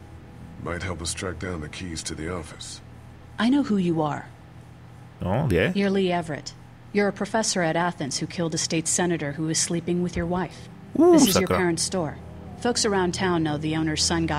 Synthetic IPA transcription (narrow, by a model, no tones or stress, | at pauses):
maɪt̚hɛlˠpəstɹ̥æk̚d̥ãʊ̃nðɨkʰiz̥tʰɨðiɔfɨ̥s | ʔaɪnoʊhujɨə̰˞ | ojæjə˞liɛvɹɨ̰t | jə˞ɨpʰɹ̥ɨfɛsə˞ɨɾæθɨ̃nshʉkʰɪlˠdɨsteɪtsɛnɨɾə˞huɨz̥slipɪ̃ŋwɨðjə˞waɪf | ɪssɨzjə˞ɛɹɨ̃ntstɔɹ | foʊksə˞ãʊ̃ntʰãʊ̃nːoʊðiõʊ̃nə˞z̥sʌ̃nɡɑ